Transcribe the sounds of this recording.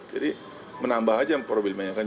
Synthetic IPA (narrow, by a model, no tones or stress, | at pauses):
d͡ʒadi | mənambahad͡ʒaŋpɾobɪlmaɲaŋka